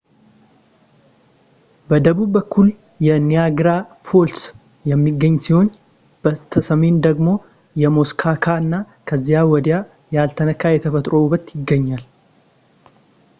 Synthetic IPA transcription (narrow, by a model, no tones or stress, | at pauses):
bɐd̪ɐbuːbɐkːʊl | jɛnɪjaːɡɾaːfols | jɛmːiɡːɐɲːsɪho̞n | b̥ɐt̪ʰɐsɐmeːnd̪ɐɡmo̞ː | jɛmoskʰaːkʰaːnːa | kʰɐzːɪjaːwɔd̪ɪjaː | jaːlt̪ʰɐnɐkːaːjɛt̪ʰɐfɐt̪ʼɾoːubɐt̪jɪɡːɐɲːal